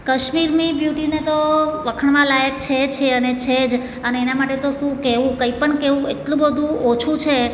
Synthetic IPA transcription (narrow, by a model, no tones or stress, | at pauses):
kəʃmiɾmibjuʈinet̪oʋəkʰəɳʋãlajək̚t͡ʃʰet͡ʃʰeənet͡ʃʰed͡ʒ | əneenamaʈet̪oʃũkeʋũkəipəɳkeʋũeʈlũbəd̪ʱũot͡ʃʰũt͡ʃʰe